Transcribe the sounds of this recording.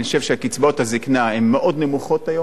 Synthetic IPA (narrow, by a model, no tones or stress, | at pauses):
ʃevʃeakit͡sbo̞thaziknahemːeʔo̞d̪nemuχo̞tajo